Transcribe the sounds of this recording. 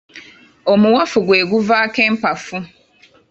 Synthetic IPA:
omuwafuɡwe̞ːɡuvaːke̞ːmpafu

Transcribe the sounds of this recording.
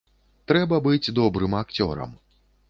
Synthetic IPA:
t̪ɾɛbɐbɨd͡zʲd̪ɔbɾɨmakt͡sʲɔ̰ɾɐ̰m

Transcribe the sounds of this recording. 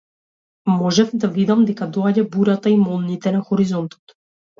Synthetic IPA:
mɔʒɛfd̪avid̪amd̪ɛkad̪ɔaɟabuɾat̪aimɔlˠnit̪ɛnaxɔɾizɔnt̪ɔ̥t̪

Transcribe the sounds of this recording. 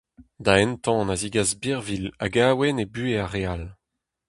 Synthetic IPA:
d̪aɛnt̪ɑ̃naziɡazbiʁvila̰ɡaːwenebyːeaʁeal

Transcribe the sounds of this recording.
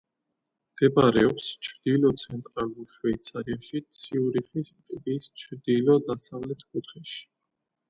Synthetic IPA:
md̪̥ɛbaɾɛɔpst͡ʃʰɾd̪̥ilɔt̪sʰɛnt̪ʼɾaluɾʃwɛit̪sʰaɾiaʃit̪sʰiuɾiχist̪ʼvist͡ʃʰɾd̪ilɔd̪asavlɛt̪ʰkʼut̪ʰχɛʃi̥

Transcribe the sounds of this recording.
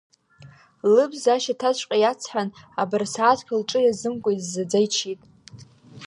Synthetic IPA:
lɨbzaʃatʰat͡ʃʷʼqʲʼajat͡sʰħʷᶣanabarsaːtʰkʲʰalʈ͡ʂʼɨjazɨmkʷʼaizːad͡zajt͡ʃʰitʼ

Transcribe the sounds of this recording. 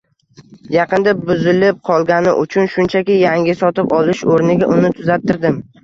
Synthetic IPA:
jɑqɨnd̪abʊzɪlɪp̚qʰɒlˠɡʲanɪ̰ʔʊt͡ʃʰʊnʃʊnt͡ʃʰakʲɪjaŋʲɪsɒt̪ɪpɒlˠɪʃoɾnɪɡʲaʔʊnɪt̪ʰʊzap̚t̪ʰːɪɾd̪ɪm

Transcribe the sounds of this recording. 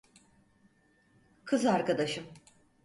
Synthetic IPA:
kʰɯzaɾkad̪aʃɯm

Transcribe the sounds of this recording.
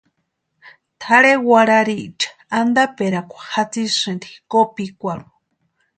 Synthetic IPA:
t̪ʰaɾewaɾaɾiʔt͡ʃḁand̪apeɾakʷḁhat͡sisɨ̃ndikopikʷaɾu

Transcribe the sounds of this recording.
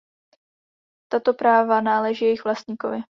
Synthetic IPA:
t̪at̪o̞pɾaːvanaːlɛʒijɛjɪxvlast̪ɲiːko̰vɪ

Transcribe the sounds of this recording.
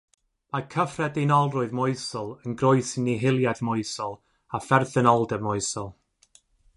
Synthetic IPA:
makʰəfrɛdenɔlˠrʊɨðmʊɨsɔlˠənɡroɨsɪniɦɪlˠjadmɔɨsɔlˠ | afɛrθɛnɔlˠdɛvmɔɨsɔlˠ

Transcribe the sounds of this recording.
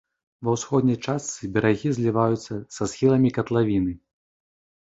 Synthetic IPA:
vɐwsxɔd̪nʲɐjt͡ʂast̪sɨbʲɛɾaɣʲizʲlʲivajut̪sːɐsasxʲilˠɐmʲikɐt̪lˠavʲinɨ

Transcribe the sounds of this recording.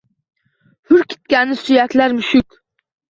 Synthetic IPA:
hyɾkʲʰi̥t̪̚kʲɛnːɪsyjɛkʲlæɾmyʃykʲ

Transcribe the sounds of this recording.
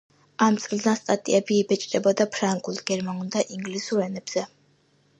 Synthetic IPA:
amt̪sʼld̪anst̪ʼat̪ʼḭɛbiːbɛt͡ʃʼɾɛbɔd̪apʰɾaŋɡulˠɡɛɾmanuld̪aʔiŋɡlisuɾɛnɛb̥z̥ɛ

